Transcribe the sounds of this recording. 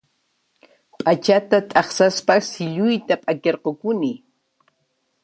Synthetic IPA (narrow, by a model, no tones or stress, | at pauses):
pʼat͡ʃat̪at̪ʼɑχsaspasɪʎʊjt̪apʼakeɾqokʊnɪ